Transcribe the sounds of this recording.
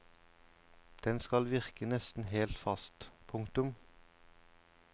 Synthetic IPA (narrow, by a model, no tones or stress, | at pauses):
d̪̥ɛnskɑlʋɪʁkənɛst̪n̩heːlt̪fɑst̪pʰʊŋkt̪ʉm